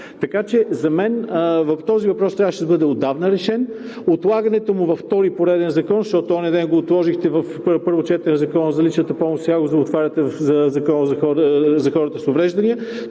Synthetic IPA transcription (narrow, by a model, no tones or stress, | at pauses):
t̪ɐkat͡ʃɛzɐmɛnəvɐft̪ɔzivɐpɾɔst̪ɾʲavəʃɛd̪ɐbɤd̪ɛod̪avnəɾɛʃɛn | ot̪lˠaɡɐnɛt̪omʊvɐft̪ɔɾipoɾɛd̪ɛnzɐkɔnzʃt̪ɔt̪oɔnɛd̪ɛnɡoːt̪lˠɔʒixt̪ɛvɐf | pɤɾvot͡ʃɛt̪ɾɛnzɐkɔnəzɐlit͡ʃnət̪əpɔmʊsʲaɡozd̪oːt̪vaɾʲɐt̪ɛvzɐzɐkɔnəzɐxɔɾzɐxɔɾət̪əsʊvɾɛʒd̪ɐniə